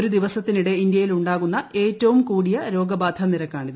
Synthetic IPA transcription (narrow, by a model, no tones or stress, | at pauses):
oɾud̪iʋɐsɐt̪ːiniɽe̞ind̪jɐjiluɳɖaːɣunːɐʔe̞ːtːɐʋumkuːɽijɐɾo̞ːɡɐbaːd̪ʱʰɐniɾɐkːaːɳiðɨ